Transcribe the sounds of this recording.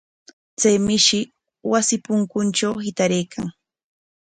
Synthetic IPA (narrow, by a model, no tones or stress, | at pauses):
t͡sajmɪʃɪ | wasɪpʊŋkʊnt͡ʃawhɪt̪aɾejkʰa̰ŋ